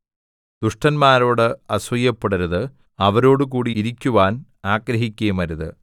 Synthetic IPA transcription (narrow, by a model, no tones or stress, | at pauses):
d̪̥uʂʈɐnmaːɾo̞ːɽɨɐsʋɐjːɐpːeɽɐɾuðɨ | ɐʋɐɾo̞ːɽɨk̬uːɽiːɾikʲːuʋaːn | aːɡɾɐɦikʲːeːmɐɾuðɨ̰